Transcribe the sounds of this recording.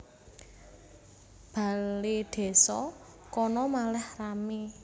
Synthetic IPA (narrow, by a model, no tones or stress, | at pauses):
b̥a̤leɖ̪̥e̤sɔ | kɔnɔmalɛhrame